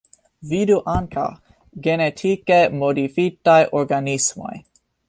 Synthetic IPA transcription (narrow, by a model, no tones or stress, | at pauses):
viduʔaŋkʰa̰ | ɡenet̪ʰikemodifit̪ajʔoɾɡanismo̰j